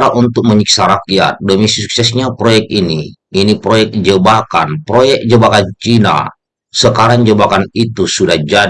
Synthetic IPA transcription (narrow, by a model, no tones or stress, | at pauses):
ɾaʔunt̪ʊk̚məɲiksaɾakija̰t̪̚domisisuksɛsɲapɾojɛk̚t̪iniinipɾojɛk̚d͡ʒəbaka̰npɾojɛk̚d͡ʒəbakant͡ʃina̰ | səkaɾaŋd͡ʒəbakanit̪usudahd͡ʒa